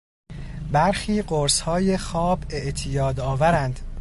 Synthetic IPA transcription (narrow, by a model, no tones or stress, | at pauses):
bæɾxiːɢoɾshɒːjexɒːbe̞ʔt̪ʰijɒːd̪ɒːvæɾænd̪̥